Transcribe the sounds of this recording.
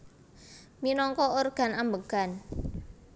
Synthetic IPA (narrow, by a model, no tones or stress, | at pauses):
minɔŋkɔorɡ̥a̤nambəɡ̥an